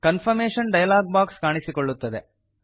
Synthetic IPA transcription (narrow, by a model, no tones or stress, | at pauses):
kɐnfʰɐɾmeːʂɐnɖɐjɐlaːɡ̚baːkskaːɳisikoɭːut̪ːɐd̪e